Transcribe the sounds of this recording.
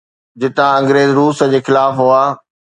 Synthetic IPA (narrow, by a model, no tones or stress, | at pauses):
d͡ʑɪt̪ãɐ̃ŋɡɾeːzɾuːsə̆d͡ʑeːxɪlaːfɦuaː